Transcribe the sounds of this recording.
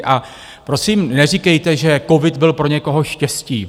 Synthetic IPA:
ʔa | pɾo̞siːmnɛr̝ikɛjt̪ɛʒɛko̞vɪt̪bɪlpɾo̞ɲɛko̞ɦo̞ʃcɛsciː

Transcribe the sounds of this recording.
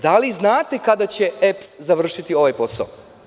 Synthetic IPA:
d̪aliznaːt̪e̞kad̪at͡ɕe̞epszaʋr̩ʃit̪io̞ʋajpo̞sa̰o

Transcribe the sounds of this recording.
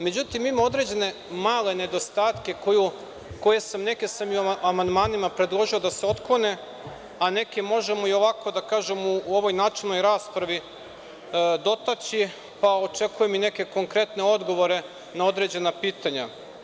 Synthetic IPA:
me̞d͡ʑut̪imimao̞d̪ɾe̞d͡ʑe̞ne̞ | maːle̞ne̞d̪o̞st̪aːt̪ke̞koju | ko̞je̞samne̞kesamjuamand̪maːnimapɾe̞d̪lˠo̞ʒio̞d̪aseo̞t̪klˠo̞ne̞ | ane̞kemo̞ʒe̞mo̞io̞ʋako̞d̪akaːʒemuo̞ʋo̞jnaːt͡ʃilno̞jɾaːspɾaʋi | d̪o̞t̪at͡ɕi | pao̞t͡ʃe̞kujemine̞ke̞ko̞ŋkɾe̞t̪ne̞o̞d̪ɡo̞ʋo̞ɾe̞ | nao̞d̪ɾe̞d͡ʑe̞napiːt̪aɲa

